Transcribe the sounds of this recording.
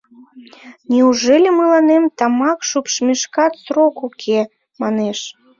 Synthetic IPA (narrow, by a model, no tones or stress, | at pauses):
nʲiuʒelʲemɨlɑnemt̪ɑmɑkʃupʃmʲiʃkɑt̪sɾokukʰe | mɑneʃ